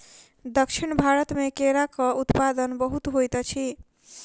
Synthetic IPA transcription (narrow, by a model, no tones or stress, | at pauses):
d̪əkʃʰiɳbʱaɾət̪mekeɾakʌut̪pad̪ənbəɦut̪ɦojt̪ʌt͡ʃʰi